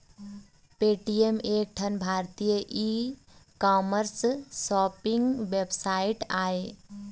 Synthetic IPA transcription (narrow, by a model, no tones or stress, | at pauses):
peʈiemek̚ʈʰənbʱaɾt̪ijəʔi | kɔməɾssɔpiŋɡʋebsaiʈaj